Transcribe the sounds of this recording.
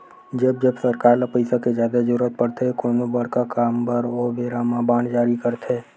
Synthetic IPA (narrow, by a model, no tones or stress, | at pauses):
d͡ʒəbd͡ʒəbsəɾkaːɾlapəɪsaked͡ʒjaːd̪ad͡ʒəɾuːɾət̪̚pəɽt̪ʰekonebəɽkakaːmbəɾobeːɾamãbaːnd͡ʒaːɾikəɾt̪ʰeː